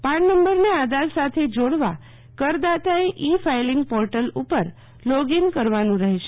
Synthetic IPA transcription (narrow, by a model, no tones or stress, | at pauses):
paɳnəmbəɾnead̪aɾsat̪ʰed͡ʒoɽʋa | kəɾd̪at̪aeʔifailɪŋɡpɔɾʈəlupəɾ | lɔɡinkəɾʋanũɾəɦeʃe